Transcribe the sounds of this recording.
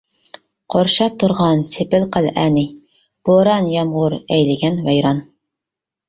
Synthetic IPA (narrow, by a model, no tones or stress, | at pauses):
qʰoɾʃɑp̚t̪ʰuɾʁɑnsepɪlqʰəlʔænɪ | b̥oɾɑnjɑmʁʊɾɛjlɪɡʲɛnvɛjɾɑn